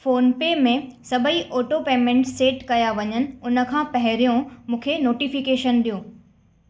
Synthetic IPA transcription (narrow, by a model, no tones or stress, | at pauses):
foːnpemẽsɐbʱəiʔoːʈopeːmẽɳʈseːʈkɐjaʋɐɲənɪ̆ʊnə̆kʰãːpɐɦɪɾijõmũːkʰenoːʈifikeːʃənɗ̪ijõː